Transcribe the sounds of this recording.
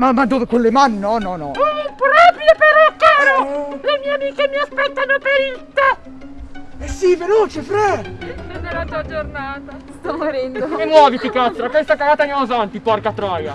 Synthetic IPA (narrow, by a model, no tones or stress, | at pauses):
mamːad̪ːoːvekolːemanːɔnɔnɔpɾɔːpɾjopeɾɔkːaːɾolemiːeamiːkemiaspɛt̪ːanopeɾit̪ːa | ɛsiveloːt͡ʃefɾɛnonelːat̪ad͡ʒornaːt̪ast̪ɔmoɾɛnd̪oemːwɔːvit̪ikat̪ːɾakwest̪akaɡaːt̪anamozant̪ipɔrkat̪ɾɔːja